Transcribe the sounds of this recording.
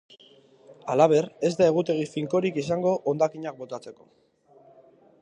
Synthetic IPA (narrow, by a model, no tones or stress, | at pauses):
alaβ̞e̞re̞zd̪ae̞ɣ̞ut̪e̞ɣ̞ifiŋko̞ɾikis̬aŋɡo̞ʔond̪akiɲak̚bo̞t̪at͡se̞ko̞